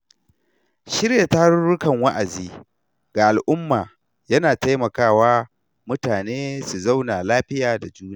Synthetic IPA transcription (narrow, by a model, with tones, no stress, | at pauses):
ʃɪ˦ɽja˨ta˦a˦ɽʊ˦ɽʊ˦kɐ˨ŋwɐ˦ʔa˨ziː˦ | ɡ̥a˨ʔa˨lʔʊ˦mːaː˨ | jɐ˦naː˨ta˦jmɐ˨kaː˦˨waː˦ | mʊ˦taː˨neː˦su˨za˦wnaː˨laː˦ɸɪ˦jaː˨da˨d͡ʒuː˦na˦˨